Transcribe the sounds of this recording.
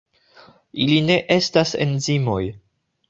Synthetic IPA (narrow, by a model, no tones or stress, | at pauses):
iline̞ʔe̞stasḛnzimo̞j